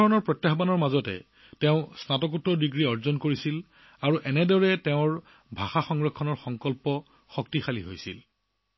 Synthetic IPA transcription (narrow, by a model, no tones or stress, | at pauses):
ɔɹɔnɔɹpɹɔtjaxbanɔɹmazɔtɛ̰ | tɛʊ̃snatɔkutːɔdiɡɹiɔɹzɔnkoɹisil | aɹuʔɛnɛdɔɹɛtɛʊ̃ɹ | bʱaxaxɔŋɹɔkʰːɔnɔɹxɔŋkɔlpɔ | xɔk̚tixalḭɦo̰jsḭl